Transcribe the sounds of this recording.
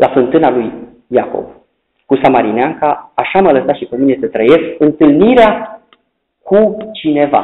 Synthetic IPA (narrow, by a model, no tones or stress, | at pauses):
lʔafɨnt̪ɨnalujː | ako̞̰v | kusamaɾineaŋkaːʃamələsat̪ʃipəminesət̪ɾəje̞skɨnt̪ɨlniɾea | kʰut͡ʃine̞va̰